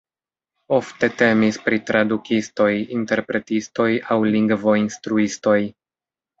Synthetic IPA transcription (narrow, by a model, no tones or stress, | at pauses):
o̞fte̞te̞mispɾitɾadukʰisto̞jinte̞ɾpɾe̞tisto̞jawliŋɡvo̞instɾuisto̞j